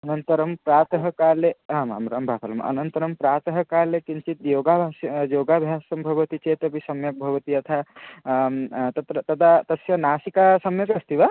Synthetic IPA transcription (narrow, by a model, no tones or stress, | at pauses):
ɐnɐnt̪ɐɾɐmpɾaːt̪ɦɐkaːleɦãma̰mɾɐ̰mbʱapʰɐlɐmɐ̰nɐnt̪ɐɾɐmpɾaːt̪ɦɐkaːlekint͡ʃit̪joːɡabʱaːsjoːɡabʱjaːsɐmbʱɐʋɐt̪it͡ʃet̪ɐbʱisɐmjɐk̚bʱɐʋɐt̪iɐt̪ʰa | t̪ɐt̪ɾət̪ɐd̪at̪ɐsjɐnaːsikasɐmjɐkɐst̪iʋa